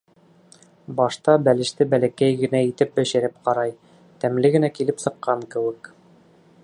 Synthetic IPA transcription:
bɑʃt̪ɑbælɘ̆ʃt̪ɘbælækæjɡɘ̆næit̪ɘp̚bæ̆ɕɘ̆ɾɘp̚qɑɾɑj | t̪æmlɘɡɘ̆nækilɘpsɤ̆qːɑŋkɘ̆wɘk

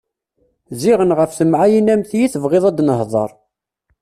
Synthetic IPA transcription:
ziʁənʁəfθəmʕajinæmθjiθəvʁeðˤɑd̪nəhðˤə̰ɾˤ

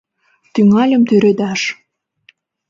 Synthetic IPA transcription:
t̪yŋɑlʲə̆mt̪yɾød̪æʃ

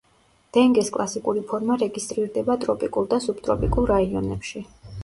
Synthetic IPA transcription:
d̪̥ɛŋɡɛskʼlˠasikʼuɾipʰɔɾmaɾɛɡist̪ʼɾiɾd̪ɛbat̪ʼɾɔpʼikʼulˠd̪asupt̪ʼɾɔpʼikʼulˠɾaiɔnɛpʃi

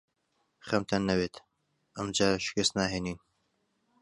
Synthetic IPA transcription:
χɐmt̪ʰɐnːɐweːt̪ | ʔəmd͡ʒaːʃɪ̥kəst̪naːɦeːniːn

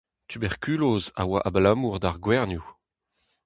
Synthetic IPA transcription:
t̪ʰybɛʁkyloza̰waʔablamuʁd̪aʁɡwɛʁnju

